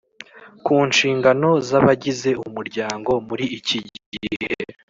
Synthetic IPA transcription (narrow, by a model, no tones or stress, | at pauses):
kuːnʃiːŋɡano̞zaβaɟize̞umuɾɟaːŋɡo̞muɾiiciɟihḛ